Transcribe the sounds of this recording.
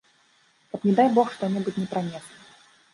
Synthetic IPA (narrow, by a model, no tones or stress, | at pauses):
kɐpnʲɛd̪ajbɔxʂt̪ɔnʲɛbutʲnʲɛpɾanʲɛslʲi